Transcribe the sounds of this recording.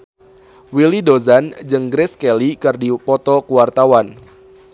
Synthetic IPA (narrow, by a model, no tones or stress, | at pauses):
wilidozand͡ʒəŋɡɾɪskɛlikərdipɔt̪ɔkuwart̪awan